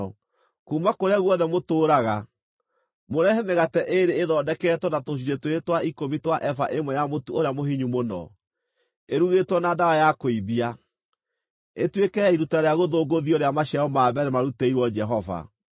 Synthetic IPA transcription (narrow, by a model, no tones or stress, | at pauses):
kuːmakoɾeaɣwɔðɛmotoːɾaɣa | moɾɛɦɛmeɣatɛʔeɾeːðɔːdɛkɛtwɔnatoɕ̬iɾetweetwaikomitwaʔɛfa̰ʔemwɛjamotuoɾeamoɦiɲumonɔ̰ | eɾuɣetwɔnaːdawajakoiðia | etwekɛiɾutaɾeaɣoðoːɡoðiɔɾeamaɕaɔmaːβɛɾemaɾuteiɾwɔd͡ʒɛɦɔva̰